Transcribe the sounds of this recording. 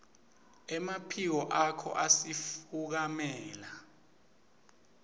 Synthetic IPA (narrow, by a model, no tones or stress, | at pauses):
ɛmapʰik̬ɔʔakʰɔ̰ʔasifuk̬amɛːla